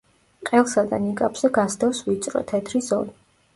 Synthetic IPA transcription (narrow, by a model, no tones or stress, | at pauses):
qʼɛlˠsad̪a̰nikʼapʰz̥ɛɡasd̪ʰɛvsvit̪sʼɾɔ̰t̪ʰɛt̪ʰɾizɔɾi